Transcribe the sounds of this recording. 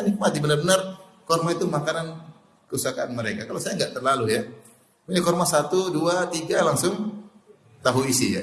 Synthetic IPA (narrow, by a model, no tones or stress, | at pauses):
anɪk̚mat̪ibənərbənər | kɔrmait̪umakanan | kəusakaanməɾekakalasajaŋɡaʔt̪ərlaluja | puɲakɔrmasat̪uduat̪iɡalaŋsʊŋ | t̪aɦuisija̰